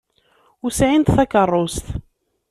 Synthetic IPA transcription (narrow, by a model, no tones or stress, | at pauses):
usʕint̪θækərˤːost̪